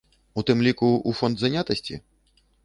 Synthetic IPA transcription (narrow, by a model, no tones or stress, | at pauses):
ut̪ɨmlʲikuufɔnd̪zanʲat̪ɐsʲt͡sʲḭ